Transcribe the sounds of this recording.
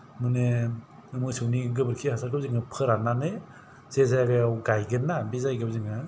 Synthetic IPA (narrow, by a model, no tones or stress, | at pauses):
mɯne | ɯmɯsɯwniɡɯbɯɾkʰihasaɾɡɯb̚ziŋɯpʰɯɾananɯj | z̥ezajaɡajawɡajɡɯnːabizajɡɯbziŋa